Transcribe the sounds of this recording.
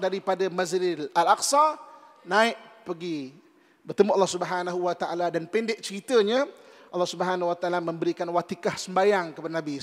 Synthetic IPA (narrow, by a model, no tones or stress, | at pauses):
daɾipadamazɾɪlalaksa | nãɪʔpəɡi | bərt̪əmuʔɑlːɔhsubəɦanaɦuwat̪aʔaladanpɛndɪʔt͡ʃəɾit̪əɲa | ʔɑlːɑhsubəɦanauwat̪aalamə̃mbəɾikanwat̪ikahsəmbajaŋkəpadanabi